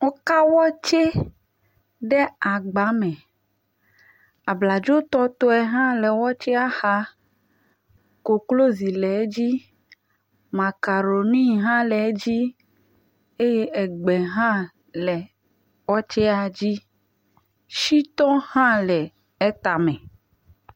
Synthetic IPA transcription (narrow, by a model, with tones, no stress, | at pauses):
wo˦ka˦wɔ˦t͡ʃe˦ | ɖɛ˦a˨ɡ͡ba˨mɛ̃˨ | a˨bla˨d͡ʒo˦t̪ɔ˦t̪o˦ɛ˨ɦã˦lɛ˨wɔ˦t͡ʃɛ˦a˦xa˦ | ko˨klo˦zi˨lɛ˨˦d͡ʑi˦ | mã˨ka˨ɾo˨nĩ˦ɦã˦lɛ˨˦d͡ʑi˦ | e˦je˦ɛ˨ɡ͡bɛ˨ɦã˦ | lɛ˨ | wɔ˦t͡ʃɛ˦a˨d͡ʑi˦ | ʃi˦t̪ɔ̃˦hã˦lɛ˨ | ɛ˦t̪a˨mɛ̃˨